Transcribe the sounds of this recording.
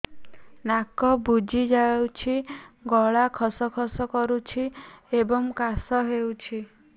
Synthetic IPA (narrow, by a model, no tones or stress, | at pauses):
nakɔbud͡ʒʱid͡ʒawt͡ʃʰiɡɔɭakʰɔsɔkʰɔsɔkɔɾut͡ʃʰiebɔŋkasɔɦewt͡ʃʰi